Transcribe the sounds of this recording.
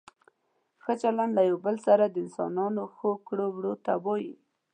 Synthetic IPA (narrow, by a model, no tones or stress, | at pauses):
xət͡ʃaland̪lajawbəlsaɾad̪əɪnsɑ̰nɑnoxokɽowɽot̪abɑji